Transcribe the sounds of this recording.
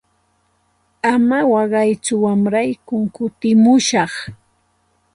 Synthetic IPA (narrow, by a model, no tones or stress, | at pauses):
amawɑɢɑjt͡sʊwamɾajkʊŋkʊt̪ɪmʊʃɑχ